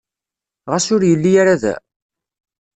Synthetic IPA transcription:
ʁæsʊɾjəlːijaɾaðæ̰

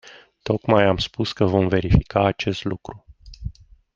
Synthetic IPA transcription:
t̪o̞kmajamspuskəvo̞mve̞ɾifikaːt͡ʃe̞st̪lukɾu

